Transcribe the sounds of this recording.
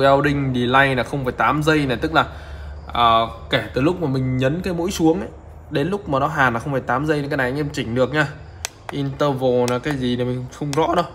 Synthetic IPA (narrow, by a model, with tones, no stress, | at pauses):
ʔɛ˧wɗï˧ŋ̟ɗi˨˩la˧jnaː˨˩xə˧wŋ͡mfaː˧˩jt̪aː˨˦mzə˧jnaː˨˩t̪ɨ˦˥k̚laː˨˩ | ʔəː˨˩kɛ˧˩t̪ɨ˨˩lʊ˦˥k͡p̚maː˨˩mï˨˩ŋ̟ɲə˨˦nkaː˨˦jmo̰˧˥jsu˨˦əŋʔə˨˦j | ɗe˨˦nlʊ˦˥k͡p̚maː˨˩nɔ˨˦ɦaː˨˩nlaː˨˩xə˧wŋ͡mfaː˧˩jt̪aː˨˦mzə˧jkaː˨˦na˨˩ʔʔmt͡ɕï˧˩ŋ̟ɗɨ˨˩ək̚ɲaː˧ | ʔi˧nt̪əː˧vo˨˩naː˨˩kaː˨˦jzi˨˩na˨˩mï˨˩ŋ̟xə˧wŋ͡mzɔ̰˧˥ɗɔ˨˦